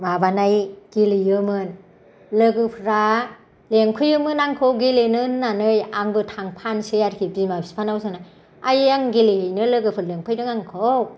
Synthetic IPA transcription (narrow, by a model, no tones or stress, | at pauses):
mabanajɡ̥ilijɯmɯn | lɯɡɯpʰɾa | leŋkʰɯjɯmɯnaŋkʰowɡilenɯnnanɯjaŋbɯtʰaŋpʰansejaɾkʰibimabʰi̥spʰanawsana | ajaŋɡilihɯjnɯlɯɡɯpʰɯɾleŋpʰɯjdɯŋaŋkʰow